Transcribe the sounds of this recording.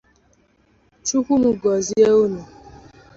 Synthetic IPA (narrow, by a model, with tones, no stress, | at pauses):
t͡ʃu˦kʷu˦mʊ˨ɡɔ˨zi˦e˦o˦nu˨